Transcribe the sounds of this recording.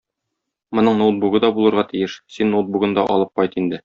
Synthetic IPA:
mŏnɤɴnolˠt̪buɡɤd̪ɒbulˠɤ̆ɾʁɑt̪ijɘʃsinːolˠd̪̚buɡɤnd̪ɒʔɒ̰lˠɤp̚qɒjt̪ind̪ɘ

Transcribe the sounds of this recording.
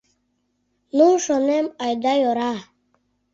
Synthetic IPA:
nuʂɔnemajd̪ajoɾa

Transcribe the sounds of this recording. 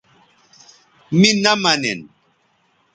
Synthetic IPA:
minamanɛ̰n

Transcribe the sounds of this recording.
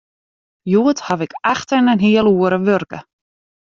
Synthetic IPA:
juːt̪havɪkɛxt̪əɾnanɦiəluəɾəvʏɾkə̰

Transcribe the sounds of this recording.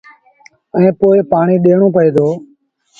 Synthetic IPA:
ɛ̃ːpoːɪpaːɳiːɗeːɳõːpəeːd̪oː

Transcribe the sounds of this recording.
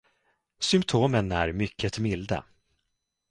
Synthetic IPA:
sʏmpt̪ʰoːmənæ̰ɾmʏkʰːət̪mɪld̪ə̰

